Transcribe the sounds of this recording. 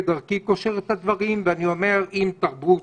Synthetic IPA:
d̪aʁkiko̞ʃeʁet̪had̪vaʁimveanio̞me̞ʁimt̪aʁbu

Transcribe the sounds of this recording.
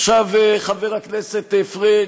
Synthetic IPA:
ʃaveχaveʁakneset̪efʁe

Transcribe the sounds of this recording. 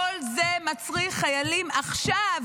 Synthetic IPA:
olze̞mat͡sʁiχːajalimaχʃav

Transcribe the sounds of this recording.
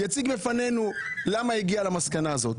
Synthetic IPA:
jat͡siɡbefanenulamaiɡialamaskanaːzo̞t̪

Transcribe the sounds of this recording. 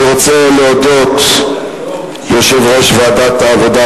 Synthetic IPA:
ʁot͡seleod̪ot̪ | joʃevʁeʃvad̪at̪aːvod̪a

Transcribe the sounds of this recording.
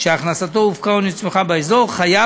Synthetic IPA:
ʃeaχnasat̪ouvkaonit͡smeχabeezoʁχaja

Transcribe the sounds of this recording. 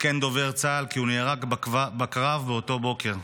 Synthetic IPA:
kend̪o̞ve̞ʁt͡saːlkiunejeʁakbabakʁavbeoto̞bo̞ke̞ʁ

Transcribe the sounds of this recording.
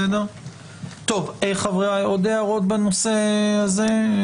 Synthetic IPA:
ed̪eʁ | t̪o̞vejχavʁeajod̪eaʁot̪banosehaze

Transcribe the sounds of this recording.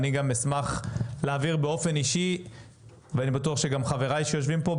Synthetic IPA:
niɡamesmaχleːviʁbeo̞fe̞niʃi | veanibatuaχʃe̞ɡamχave̞ʁajʃejo̞ʃvimpo̞

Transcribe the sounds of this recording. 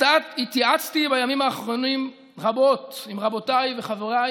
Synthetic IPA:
atit̪iat͡st̪ibajamimhaːχʁo̞nim | ʁabo̞t̪imʁabo̞tajveχaveʁaj

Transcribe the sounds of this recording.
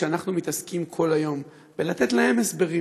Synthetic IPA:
eanaχnumit̪askimkʰo̞lajo̞m | belat̪e̞t̪lahe̞mesbe̞ʁi

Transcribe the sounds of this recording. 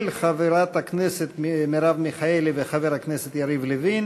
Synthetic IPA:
lχaveɾat̪hakneset̪mmeɾavmiχaeliveχaveɾhakneset̪jaɾivlevin

